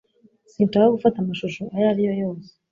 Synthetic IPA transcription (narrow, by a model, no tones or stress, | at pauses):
siːnt͡ʃaːoɡufatamaʃuʃo̞ajaɾijo̞jo̞ːse̥